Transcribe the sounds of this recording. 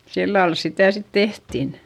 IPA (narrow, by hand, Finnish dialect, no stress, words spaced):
silːɑl sitæˑ sit tehtin